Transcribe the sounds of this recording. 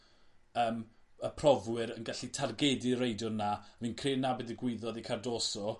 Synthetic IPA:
əːməpʰrɔvwɨɾənɡaɬitʰarɡɛdɪrejdjʊrnavinkʰreːnabɪdiɡwɪðɔðikʰardoːsɔ

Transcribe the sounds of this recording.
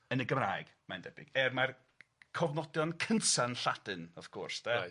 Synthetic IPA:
ənəɡəmrajɡ̥mandɛbɪ̰ɡɛrmar | kʰɔvnɔdjɔnkʰəntanɬad̥ɨnɔfkʰɔrsdɛ

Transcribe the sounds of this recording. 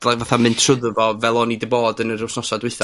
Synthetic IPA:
lˠavaθamɨndsʊðvɔvɛlˠɔnidɪboːdənərɪwsnɔsadwɪɨθa

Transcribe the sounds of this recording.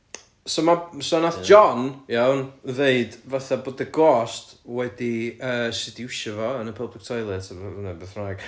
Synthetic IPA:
somasɔnaθd͡ʒɔnjawnðeɨdvaθaboːdəɡɔstwɛdiəːsɪdiwʃɛvɔənəpʰəblˠɪk̚tʰɔjlˠɛtʰənəbeθmraːɡ̥

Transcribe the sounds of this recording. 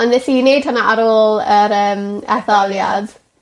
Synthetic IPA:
ɔnðɛθiːnejd̥̚hanaʔaɾoːlˠəɾəːmɛ̰θɔlˠjad̥

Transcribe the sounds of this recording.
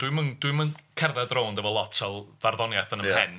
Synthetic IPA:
d̥wɨmənd̥wɨmənkʰɛrðɛdroːndəvɔlˠɔtʰɛlˠvarðɔnjaθənəmhɛn

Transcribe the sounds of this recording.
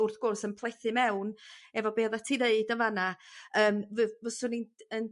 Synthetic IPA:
ʊrθɡ̥ʊrsənpʰlˠejθɨmɛwnɛvɔbeːðatʰineɨdənvanaəːmvvɔsʊninən

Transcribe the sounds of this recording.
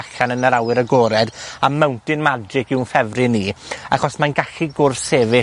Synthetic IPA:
aɬanənəɾawɪɾəɡɔːɾɛdamːɛwntɪnmadd͡ʒɪkɪwnfɛvrɪniːaχɔsmanɡaɬiɡʊrθeːvɪ

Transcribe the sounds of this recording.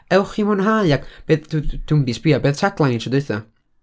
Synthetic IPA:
ɛwχimʊnɦaɨakʰb̥eːðdd̥umbisb̥iabeːð̥tʰaɡlˠanitʰrɔdʊɨθɔ̰

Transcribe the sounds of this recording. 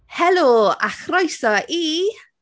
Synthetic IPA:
hɛloːa̰χrɔjsɔʔi

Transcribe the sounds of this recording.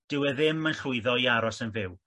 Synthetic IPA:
d̥ɪwɛðɪmənɬʊɨðɔiaɾɔsənvɪw

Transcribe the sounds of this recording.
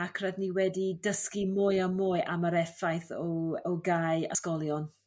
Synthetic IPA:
akʰradniwɛdidəskimoːjamoːɨʔaməɾɛfajθɔɔɡaːja̰skɔlˠjɔn

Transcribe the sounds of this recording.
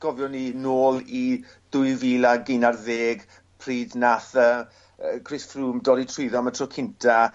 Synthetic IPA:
ɡ̥ɔvjɔninoːlˠi | d̥ʊɨviːlaɡinarðeːɡ | pʰriːdnaθə | kʰrɪsfruːmdɔɾitʰrʊɨðɔmatʰrɔkʰɪntʰa

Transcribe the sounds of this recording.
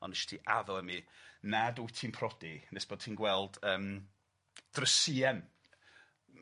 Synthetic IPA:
ɔ̰nɪʃtʰiʔaðɔəminadujtʰimpʰrɔdinesb̥oːd̚tʰiːnɡwɛlˠd̥əːm | d̥rəsiːɛm

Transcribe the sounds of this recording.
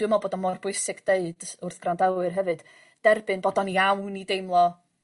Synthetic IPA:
əmɔboːdɔnmɔrbʊɨsɪɡd̥eɨd̥ʊrθɡ̥randawwɨrɦɛvɨd̥ | d̥ɛrbɨnbodɔniawnidejmlˠɔ

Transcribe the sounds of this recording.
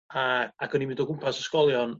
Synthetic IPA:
aaɡənimɪndɔɡʊmpʰasəskɔlˠjɔn

